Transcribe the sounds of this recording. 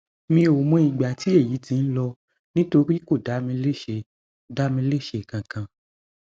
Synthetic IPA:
mĩ˧o˨mũ˧˦i˨ɡ͡ba˨ti˨˦e˦˨ji˨˦tĩ˧n̩˦lɔ˧ | nĩ˦to˧ɾi˦ko˦˨da˨˦mĩ˧˦le˦˨ʃe˧ | da˦mĩ˧le˦˨ʃe˧˨kã˨kã˧

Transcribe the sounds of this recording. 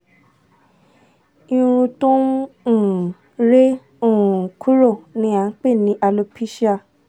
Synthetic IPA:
ĩ˧ɾ̃ũ˧tũ˦˨ | ɾe˦ | o˦˨ũ˨kʰu˦ɾo˦˨nĩ˨˧˦a˨˦k͡pe˦˨nĩ˨˦ʔa˧lo˧pʰi˦ʃi˦a˧

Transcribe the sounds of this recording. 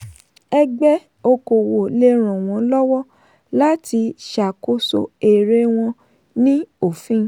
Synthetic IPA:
ɛ˧ɡ͡bɛ˦ | o˧ko˨wo˨le˧ɾ̃ɔ̃˨w̃ɔ̃˨˦lɔ˦wɔ˦ | la˦ti˧ʃa˨ko˦so̰˨e˨ɾe˦w̃ɔ̃˧ | nĩ˦o˨fĩ˦

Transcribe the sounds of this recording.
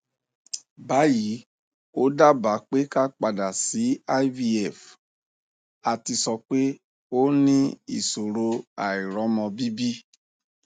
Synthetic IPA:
ba˨˦ji˨˦ | o˦da˦ba˨˦k͡pe˦ka˦k͡pa˧da˨si˨˦a˦vi˧ɛ˨f | a˨ti˧sɔ˧k͡pe˦ | o˦nĩ˦ḭ˦˨so˨ɾo˧a˨i˨ɾɔ˨˦mɔ̃˧bi˦bi˦

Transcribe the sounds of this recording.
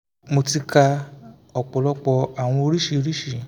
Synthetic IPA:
mo˧ti˧ka˧ | ɔ˨k͡pɔ˨lɔ˧k͡pɔ˧a˨w̃ɔ̃˧o˧ɾi˦ʃi˧o˧ɾi˦ʃi˦˨

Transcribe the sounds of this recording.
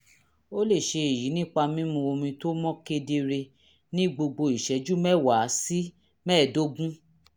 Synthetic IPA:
o˦le˦˨ʃe˧e˨ji˨˦nĩ˦k͡pa˧mĩ˦mũ˧o˧mĩ˧to˦mɔ̃˦ke˧de˧ɾe˧ | nĩ˦ɡ͡bo˧ɡ͡bo˧i˨ʃɛ˨˦d͡ʒu˦mɛ˦˨wa˨˦si˦ | mɛː˦˨do˦ɡũ˦

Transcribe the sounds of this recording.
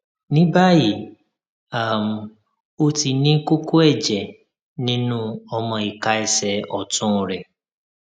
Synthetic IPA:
nĩ˦ba˦ji˨ | a˨m̩˨ | o˦ti˨nĩ˦kʊ˦ko˦ɛ˦˨d͡ʒɛ˨ | nĩ˦nũ˦ɔ˦mɔ̃˨i˨ka˦ɪ˦sɛ˨ɔ˨tʊ̃˦˨ɾe˨

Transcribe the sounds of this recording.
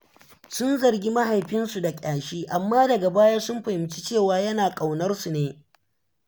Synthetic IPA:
sʊ˦nzɐ˨rɡʲi˦ma˦ɦa˨jɸɪ˦nsu˨da˨kʲʼaː˨ʃiː˦ʔa˨mːaː˦dɐ˨ɡa˨baː˦jaː˦sʊ˦mɸɐ˨hɪ˨mt͡ʃi˦t͡ʃeː˦˨waː˨jɐ˦naː˨kʼa˨wnɐ˦rsu˨neː˨

